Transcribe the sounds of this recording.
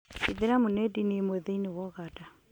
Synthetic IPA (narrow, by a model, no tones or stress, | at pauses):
iðiɾamunɛdinimeðiniwɔɣada